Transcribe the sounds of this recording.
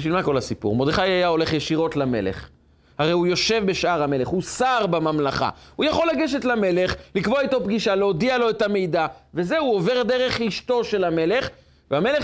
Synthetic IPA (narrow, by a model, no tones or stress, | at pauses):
ʃilmako̞lasipṵʁmo̞d̪ʁeχajajao̞le̞χjeʃiʁo̞tlame̞̰lḛχ | haʁejujo̞ʃe̞vbe̞ʃʔaʁame̞le̞χhusaʁbamamlaχa̰hujaχo̞laɡeʃetlame̞leχlikvoait̪o̞pɡiʃaleod̪ialo̞et̪ame̞jd̪avezeuove̞ʁd̪eʁe̞χiʃt̪o̞ʃe̞lame̞le̞χ | veame̞le